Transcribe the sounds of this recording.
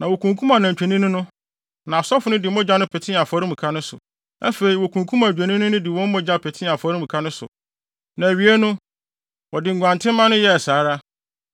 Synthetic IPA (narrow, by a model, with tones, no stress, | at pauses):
nã˨wo˨kʰũ˨ŋkʰu˦ma˨nã˨ɲ˨t͡ɕᶣʰe˨nĩ˦nʊ̃˦nʊ̃˦ | nã˨sɔ˦fʊ˨˦nʊ̃˦dɪ˨˦mɔ̃˦d͡ʑa˦nʊ̃˦pʰɛ˨tʰɪ̃˦a˨fɔ˨˦ɾĩ˦m̩˨kʰa˦nʊ̃˦sʊ̰˨ | æ̰˦fe˨ɾi˨wo˨kʰũ˨ŋkʰũ˦ma˨d͡ʑᶣɛ˨nĩ˦nʊ̃˦nʊ̃˦dɪ˨wɔ̃˦m˦mɔ̃˦d͡ʑa˦˨pʰɛ˨tʰɪ̃˦a˨fɔ˨˦ɾĩ˦mũ˨kʰa˦nʊ̃˦sʊ̰˨ | nã˨ɥi˨˦e˦nʊ̃˦ | wɔ˨dɪ˨ŋ̩˨ɡʷã˨ntʰɪ̃˦mã˦nʊ̃˦jɛ˦ɛ˨saː˨˦ɾa˦